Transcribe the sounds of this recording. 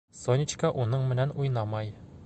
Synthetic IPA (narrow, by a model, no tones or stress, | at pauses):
sonʲit͡ɕkɑʔunɤɴmɘ̆nænujnɑmɑj